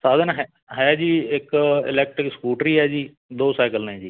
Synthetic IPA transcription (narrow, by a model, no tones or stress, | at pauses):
saːd̪ənɦɛ | ɦɛaːd͡ʒiːɪkɪ̰lɛːk̚ʈɾɪkskuːʈɾiːɦɛːd͡ʒiː | d̪oːsaːkəlnẽːd͡ʒiː